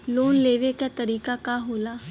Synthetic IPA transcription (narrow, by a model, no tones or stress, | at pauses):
loːnleːʋekat̪ɐɾiːkakaɦoːlaː